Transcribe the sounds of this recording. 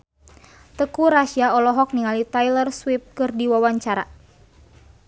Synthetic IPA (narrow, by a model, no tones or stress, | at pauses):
t̪əkuɾaʃiaɔlɔɦɔk̚niŋalit̪ajlərswip̚kɨrdiwawaɲt͡ʃaɾa̰